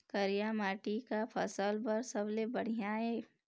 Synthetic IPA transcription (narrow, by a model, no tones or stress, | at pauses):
kəɾijamaːʈikapʰəsəlpɐɾsəblebəɽ̤ijae